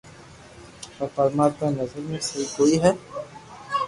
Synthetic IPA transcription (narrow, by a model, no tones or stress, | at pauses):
pɐɾpɐɾmaːɾt̪anɐzəɾmẽsɐɦikoːiɦɛː